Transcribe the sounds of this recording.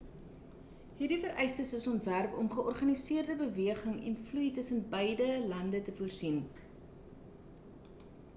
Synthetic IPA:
ɦiːrdifəɾʔəjstəsəsɔntværpɔmχəʔɔrχɐnisiərdəbəviəχəŋɛ̰nflujtəsənbəjdəlɐndətəfuərsin

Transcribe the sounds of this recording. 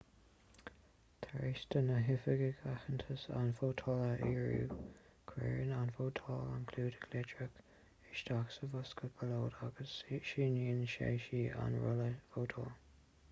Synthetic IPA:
t̪ʰaɹistənəɦɪfəɡəɡʰaxəntʰəsa̰nfoːtʰɔləʔiːɹṵː | kʰwɛ̰ːɹənanfoːtʰɔla̰nkʰluːdɪ̥ɡʰlɛdɹək | ɪʃdaksəvʊskəb̥əloːdaɡəsʃiːniːnʃḛːʃiːa̰nɹʊ̰ləfoːtʰɔl

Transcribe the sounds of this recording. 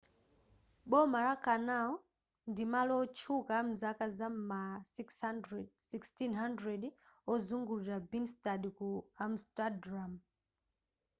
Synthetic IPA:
ɓɔmaɾakanaɔ | ndimalɔt͡ʃʰukam̩zakazama | ɛsikstinɦandɾɛɗɔzuŋɡuliɾabinstaɗikuamstadɾam

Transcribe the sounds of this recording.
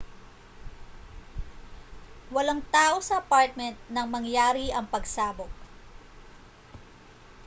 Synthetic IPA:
wɐlɐŋt̪aːʔo̞sɐɐpaɹt̪̚mɛnt̪̚nɐŋmɐŋjaːɾiʔɐŋpɐɡsaːbok̚

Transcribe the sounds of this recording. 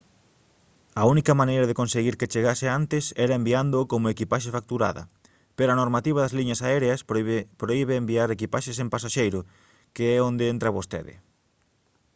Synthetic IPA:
ɐunikɐmanejɾɐðekonseɣiɾket͡ʃeɣaseant̪ɪsɛɾɐembiand̪ʊːkomoekipaʃefak̚t̪uɾa̰ðɐ̰ | peɾoɐnoɾmat̪iβ̞ɐðɐzliɲɐsaɛɾeɐspɾoiβeːmbiaɾekipaʃesempasaʃejɾʊ | keɛond̪eent̪ɾɐβost̪ḛðɪ̰

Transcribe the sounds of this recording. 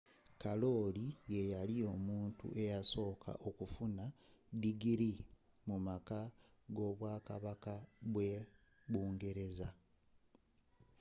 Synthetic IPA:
kalo̞ːlije̞jalio̞muːntṵʔe̞jaso̞ːkʰa̰ʔo̞kufunadiɡiɾi | mumaka | ɡo̞ːβwaːkaβakaβwe | βuːŋɡe̞ɾe̞za

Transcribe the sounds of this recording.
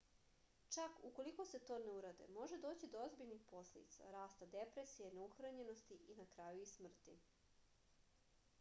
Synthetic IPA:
t͡ʃakuko̞liko̞se̞t̪o̞ːne̞uɾad̪ḛmo̞ʒe̞d̪o̞ːt͡ɕid̪oozbiʎnixpo̞sled̪ḭt̪sa̰ɾaːst̪ad̪epɾe̞sijeneuxɾaɲe̞nost̪iʔinakɾajuismr̩t̪i

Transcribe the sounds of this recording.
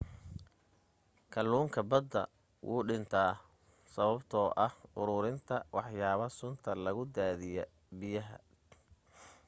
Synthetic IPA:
kʰɐlːuːŋkʰɐbɐd̪ːɐ̰ | wʔṵːɖɪnt̪ʰaː | sɐβɐbt̪ʰɔːʔɐhʊɾʊɾɪnt̪ʰɐwɑħjaːβɐsʊnt̪ʰɐlɐɣʊd̪aːðɪjɛ | bɪjɐɦɐ̰

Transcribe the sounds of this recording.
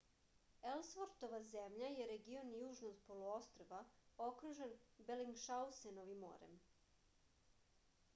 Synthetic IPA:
elsʋoɾt̪oʋazemʎajeɾeɡio̞nijuːʒnoɡpolˠuost̪ɾoʋao̞kɾuʒenbeliŋɡʃawsenoʋimo̰ːɾḛm

